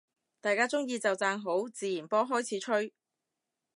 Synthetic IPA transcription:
t̪aː˨˧jkaː˥t͡sʊ˥ŋjiː˧t͡sɐ˨wt͡saː˧ŋɦo˨˥wt͡siː˨jiː˨˩npɔː˥ɦɔː˥jt͡sʰiː˨˥t͡ʃʰɵ˥ɥ

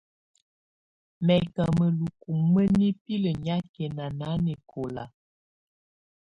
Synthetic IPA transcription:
mɛ˨ka˨mə˨lu˨ku˨mmə˦ni˦pi˦lə˨ɲa˦kɛ˨na˨na˨˦ne˨kʰo˨la̰˨

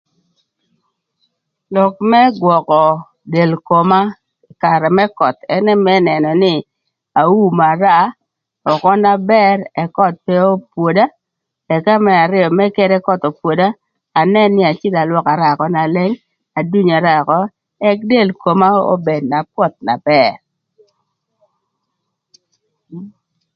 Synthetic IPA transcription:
lɔ˨kmɛ˦ɡwɔ˨kɔ˨ | de˨lko˨ma˦ | ɪ˨ka˨ɾɛ˨mɛ˦kɔ˨t̪ɛ˦nɛ˦mɛ˦nɛ˨nɔ˨nɪ˦ | a˨u˦ma˨ɾa˦ | ɔ˨kɔ˦na˦bɛ˦ɾɛ˨kɔ˦t̪̚pɛ˦o˦pwo˨da˦ | ɛ˨ka˦mɛ˦a˨ɾɪ˦ɔ˨mɛ˦ke˦ɾɛ˦kɔ˦t̪o˨pwo˨daː˦˨ | nɛ˦nːɪ˦a˨t͡ʃɪ˦la˨lwɔ˦ka˨ɾa˨kɔ˦na˨lɛ˦ŋ | a˨du˦ɲa˨ɾa˦˨kɔ˦ | ɛ˦k̚de˦˨lko˨ma˦o̰˦be˨d̚na˨pwɔ˦t̪̚na̰˨bɛ˨ɾ

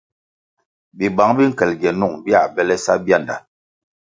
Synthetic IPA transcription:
bi˨ba˨˦ŋbi˦ŋ̩˨kɛ˨lɡɛ˨nu˦˨ŋbja˦˨bɛ˦lɛ˦sa˦bja˦˨nda˨

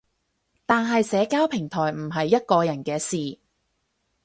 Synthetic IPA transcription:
t̪aː˨˧nɦɐ˨jsɛː˨˧˥kaː˥wpʰɪ˨˩ŋt̪ʰɔː˨˩jm̩˨˩ɦɐ˨jːɐ˥t̚kɔː˧jɐ˨˩nkɛː˧siː˨

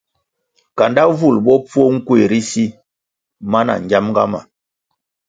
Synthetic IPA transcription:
ka˨nda˦vu˦˨lbɔ˦p͡fu˦o˦ŋ̩˦kwe˨ɾi˦si˦ | ma˦na̰˨ŋ˨ɡa˦mŋɡa̰˦ma̰˨

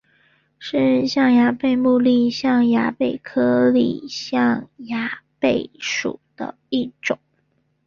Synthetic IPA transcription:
ʂɻ̩˥˧ɕjɑ˥˩ŋja˧˥pe˥˧ɪmu˥˧li˥˧ɕjɑ˥˩ŋja˧˥pe˨˩ɪkʰɤ˥lḭ˨˩ɕjɑ˥˩ŋja˧˥pe˥˩ɪʂṵ˨˩d̪̥ə̰˦ | i˥˩ʈ͡ʂʊ˨˩˦ŋ

